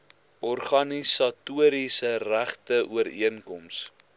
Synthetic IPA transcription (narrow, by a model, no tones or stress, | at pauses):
ʔɔrχɐnisɑtuəɾisəræχtəʔuəɾḭənkɔms